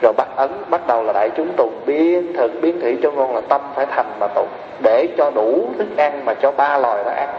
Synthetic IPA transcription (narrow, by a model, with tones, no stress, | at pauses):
zo˨˩jɓa˦˥t̚ʔə˨˦nɓa˦˥t̚ɗə˨˩wlaː˨˩ɗa̰ː˧˨jt͡ɕʊ˨˦ŋ͡mt̪u˨˩ŋɓi˧ənt̪ʰɨ˨˩k̚ɓi˨˦ənt̪ʰḭ˧˥t͡ɕɔ˧ŋɔ˧˩nlaː˨˩t̪ə˧mfaː˧˩jt̪ʰa˨˩jŋ̟maː˨˩t̪ṵ˧˩˨ | ɗe˧˩t͡ɕɔ˧ɗu˧˩t̪ʰɨ˦˥k̚ʔa˧ŋmaː˨˩t͡ɕɔ˧ɓaː˧lwaː˨˩jɗɔ̰ː˨˦ʔa˧ŋ